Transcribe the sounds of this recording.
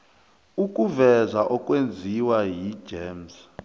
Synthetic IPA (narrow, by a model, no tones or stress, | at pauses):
uk̬ʼuvɛzaʔɔk̬ʼwend͡zʱiwaji̥d͡ʒ̥eːms